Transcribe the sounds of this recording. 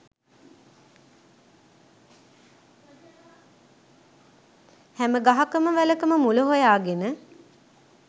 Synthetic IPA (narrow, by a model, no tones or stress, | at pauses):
hɛməɡaɦakəməʋæləkəməmuləɦojaːɡenə